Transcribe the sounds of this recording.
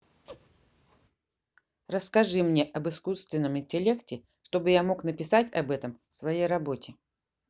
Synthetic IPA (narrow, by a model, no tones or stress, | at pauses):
rəskɐʐɨmnʲeʔɐbɨskust̪vʲɪnːəmɪnʲtʲɪlʲe̞ktʲɪ | ʂt̪o̞bɨjamo̞knəpʲɪsatʲɐbɛt̪əmsvɐjejrɐbo̞tʲɪ